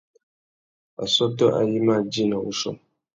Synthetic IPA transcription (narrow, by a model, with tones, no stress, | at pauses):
a̰˨sɔ˦tɔ˦ʔa̰˨ji˦ma˦˨d͡ʒi˦˨na˨ṵ˦sɔ̰˦˨m